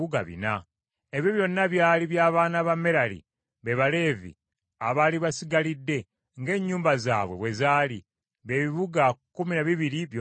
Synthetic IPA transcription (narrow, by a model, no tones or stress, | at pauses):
uɡa̰βḭna | e̞βjo̞βjo̞nːaβjaːliβjaːβaːnaβame̞ɾalḭ | βe̞βale̞ːvḭ | aβaːliβasiɡalidːe̞ | ŋɡe̞ːɲːuːmbaza̰ːβweβwe̞zaːli | βe̞βiβuɡakuminaβiβiɾiβjo